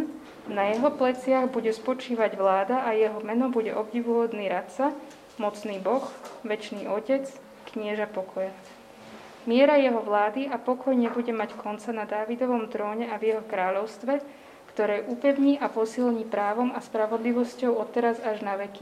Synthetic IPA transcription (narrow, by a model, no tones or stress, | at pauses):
najɛɦɔplɛt͡sɪaɣbuɟɛspɔt͡ʃiːʋaɟʋlaːd̪aʔajɛɦɔmɛnɔbuɟɛʔɔbɟiʋuɦɔd̪niːɾat̪t͡sa | mɔt͡sniːbɔxʋɛt͡ʃniːɔcɛt͡s | kɲɪɛʒapɔkʰɔja | mɪɛɾajɛɦɔʋlaːd̪iʔapɔkʰɔjɲɛbuɟɛmackɔnt͡sanad̪aːʋid̪ɔʋɔmt̪ɾɔːɲɛavjɛɦɔkɾaːʎɔʊst̪ʋɛ | kt̪ɔɾɛːʔupɛʊɲiːʔapɔsilɲiːpɾaːʋɔmaspɾaʋɔd̪liʋɔscɔʊɔt̪ɛɾazaʒnaʋɛki